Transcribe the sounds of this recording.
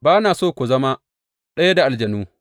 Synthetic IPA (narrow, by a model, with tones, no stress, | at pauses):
baː˦naː˨soː˦˨kʷu˨zɐ˦ma˦ | ɗɐ˦ja˦da˨ʔa˨ld͡ʒɐ˨nuː˦